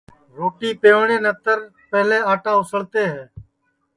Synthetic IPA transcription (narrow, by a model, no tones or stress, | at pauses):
ɾoːʈiːpeːɳeːnət̪əɾ | pɛɦlẽːaːʈãːʊsəɭt̪eːɦɛː